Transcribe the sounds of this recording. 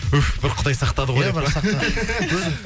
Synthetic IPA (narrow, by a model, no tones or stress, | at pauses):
ʊbɪɾqʰʊd̪ɑjsɑqt̪ɑd̪əʁojbs | wɵzɪ